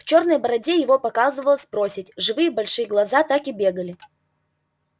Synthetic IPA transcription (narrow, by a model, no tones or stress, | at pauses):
ft͡ɕo̞rnəjbəɾɐdʲejɪvo̞pɐkazɨvəlˠəsʲpɾo̞sʲɪtʲʐɨvɨjəbɐlʲʂɨjəɡlˠɐzat̪akɪbʲe̞ɡəlʲɪ